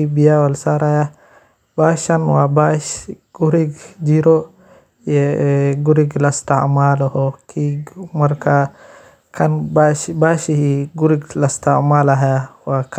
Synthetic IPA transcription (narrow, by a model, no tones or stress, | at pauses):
ibijawalsaɾaja | baʃanwabaʃɡ̥uɾiɡd͡ʒiɾɔ | jɛɡuɾiɡlastaʔmalahɔkʰimaɾka | kʰanbabaʃihiɡuɾiɡlastamalaɦajawak